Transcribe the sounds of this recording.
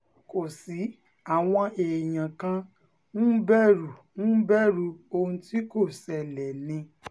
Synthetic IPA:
ko˨si˨˦ | a˦˨w̃ɔ̃˧ʔe˨j̃ã˨kã˧ | nũ˦bɛ˦˨ɾu˨nũ˦bɛ˦˨ɾu˧˦o˧hũ˧ti˦ko˦˨sɛ˧lɛ˨nĩ˧

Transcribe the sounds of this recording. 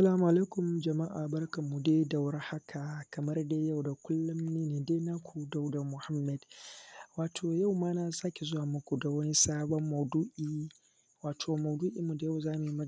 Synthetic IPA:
a˦sɐ˦laː˦mu˨ʔa˨la˦kʷʊ˨md͡ʒɐ˨ma˦ʔaː˨bɐ˦rkɐ˨mːu˨deː˦da˨wɽa˦ha˦kʰa˨kɐ˨mɐ˦rda˦ja˦˨wda˨kʷʊ˦lːʊ˦mneː˦neː˨deː˦na˦kʷʰu˨da˦wda˨mʊ˨ha˦mːɛ˨dwaː˨tʰoː˨ja˦˨wmaː˦na˨saː˦kʲe˨zʊ˦waː˨mʊ˦kʷu˨da˨wɐ˦ni˦saː˦bɔ˦mːɐ˨duː˦ʔiː˦˨ | waː˨tʰoː˨mɐ˨wduː˦ʔi˨mːu˨da˨ja˦wzaː˦mu˨ji˦mɐ˦

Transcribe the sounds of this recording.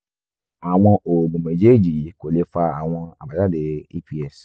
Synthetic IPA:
a˨w̃ɔ̃˧ʔo˨mũ˨mẽ˨d͡ʒe˦˨d͡ʒi˨˦ko˨le˧fa˧a˨w̃ɔ̃˧a̰˨ba˨da˦˨de˨i˧pi˦ɛ˦˨s

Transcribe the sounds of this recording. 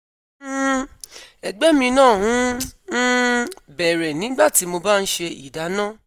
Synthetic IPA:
ɛ˨ɡ͡bɛ˦mĩ˧nãː˦˨ɦũ˨˦n̩˦bɛ˨ɾɛ˨nĩ˨˦ɡ͡ba˦˨ti˨˦mo˧ba˦˨n̩˦ʃe˧ḭ˨da˨˦nãː˦˨

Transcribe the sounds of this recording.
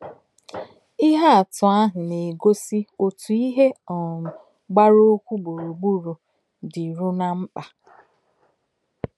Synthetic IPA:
ɪ˦ɦa˦a˨tʊ˨a˦ɦʊ˨ne˨ɡo˦si˦o˨tu˨i˦ɦe˦ɔ˨ | ɡ͡ba˦ɾo˦kʷu˦ɡ͡bo˨ɾo˨ɡ͡bu˦ɾu˨ | dɪ˨ɾu˦na˦m̩˦k͡pa˨

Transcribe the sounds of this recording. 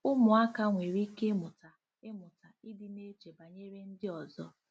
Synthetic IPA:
ʊ˦mʊ˨a˦ka˦ŋʷe˨ɾi˦ke˦mʊ˨ta˨ | ɪ˦mʊ˨ta˨ɪ˦dɪ˦ne˦t͡ʃe˨ba˨ɲe˦ɾe˦n̩˦dɪ˦ɔ˨zɔ˦

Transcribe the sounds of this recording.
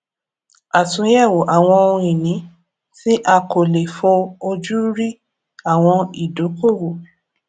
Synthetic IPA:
a˨tũ˨˦jɛ˦˨wo˨ʔa˨w̃ɔ̃˧o˧ĩ˨nĩ˨˦ | ti˦ʔa˧ko˨le˨fũ˧o˧d͡ʒu˦ɾi˦ | a˦˨w̃ɔ̃˧i˨do˨˦ko˦˨wo˨

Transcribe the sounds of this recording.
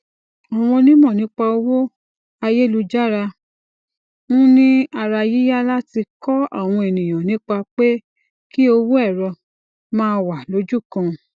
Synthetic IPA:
a˨w̃ɔ̃˧nĩ˦mɔ̃˦˨nĩ˨˦k͡pa˧o˧wo˦ | a˧je˦˨lu˧d͡ʒa˦ɾa˧ | mũ˦nĩ˦a˧ɾa˧ji˦ja˦la˦ti˧kɔ˦a̰˦˨w̃ɔ̃˧e˨nĩ˨j̃ã˨nĩ˨˦k͡pa˧k͡pe˦ | ki˦o˧wo˦ɛ˦˨ɾɔ˧ | mãː˦˧wa˨lo˨˦d͡ʒu˦˨kã˧

